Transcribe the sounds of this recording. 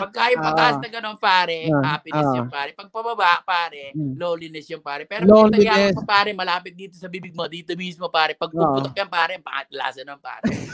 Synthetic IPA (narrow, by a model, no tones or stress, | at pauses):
pɐɡ̚kaːjopɐʔ̪aːʔsnɐɡɐnoŋpaːɾɛʔaːpɪɛjɐŋpaːɾɛpɐɡ̚pɐbɐbapaːɾɛloːlɪnɛsjʊŋpaːɾɛpɛːɾlolɐijaːnɛɐpaːɾɛmɐlaːpɪt̪̚d̪iːt̪osɐbiːbɪɡ̚mod̪iːt̪omiːsmopaːɾɛpɐɡ̚oʊːʔt̪okːjɐŋpaːɾɛpɐʔɐ̰t̪ɐla̰ːsɐnɐŋpa̰ːɾɛ